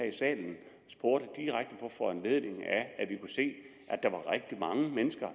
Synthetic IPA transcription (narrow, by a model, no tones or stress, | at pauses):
æisɛ̰ːln̩ | sb̥o̝ɐ̰ɾ̥əd̥iʁaɡ̥̚d̥əpʰɒ̽fɒænle̝ð̞ˠne̝ŋææʋikʰuse̝̰ː | ʔæd̥ɑ̈ʋɑ̈ʁeɡ̥̚d̥imɑ̈ŋəmenəsɡ̥ɐ